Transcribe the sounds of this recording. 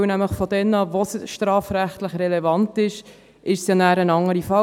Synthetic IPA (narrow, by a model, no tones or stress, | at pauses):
næmləχfɔdɛnːɑvosʃtɾɑːfɾæχt̪ləχɾɛlɛvɑntɪʃ | ʔɪʃsjɑnæːɾənɑŋəɾifɑ